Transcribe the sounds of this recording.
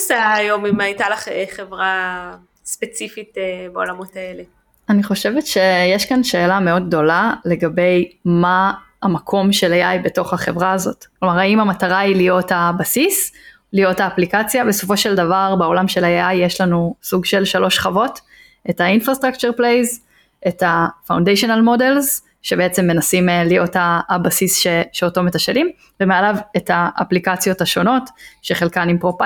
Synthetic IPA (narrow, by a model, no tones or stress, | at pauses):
seaːjo̞mimajtalaχeχevʁa | spet͡sifitbeolamo̞taele | aniχo̞ʃe̞vetʃe̞jeʃkanʃe̞ːlameo̞d̚ɡ̚d̪o̞lale̞ɡabe̞jmaː | makʰo̞mʃe̞lajajbe̞to̞χhaχe̞vʁaːzo̞tklo̞maʁaimamataʁailijo̞thabasis | lijo̞thaːplikat͡sjabe̞so̞fo̞ʃe̞ldavaʁbeo̞lamʃe̞lajaajːeʃlanusuɡʃe̞lʃalo̞ʃχavo̞t | e̞thainfʁast̪ʁakt͡ʃuʁplejz | ʔe̞thafawndejʃonalmo̞delz | ʃebeet͡semːe̞nasimlijo̞taːbasisʃeʃeoto̞metaʃelim | vemealave̞taʔːplikat͡sjo̞thaʃo̞no̞tʃe̞χe̞lkanimpʁopa